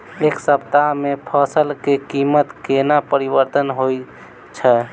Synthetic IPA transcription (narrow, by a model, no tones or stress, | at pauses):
eksəpt̪amepʰəsəlkekimət̪kenapəɾibəɾt̪ənɦoj | t͡ʃʰɛ